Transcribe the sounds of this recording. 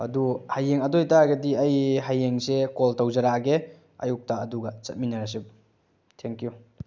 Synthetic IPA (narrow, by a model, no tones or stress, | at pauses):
ɐ̰duhajːeŋɐdojtaɡɐdiɐjɦajeŋsekoltawzɐɾaɡe | ɐ̰juk̚taːduɡɐt͡ʃɐt̚minaɾas̬ip̚ | tʰeŋkju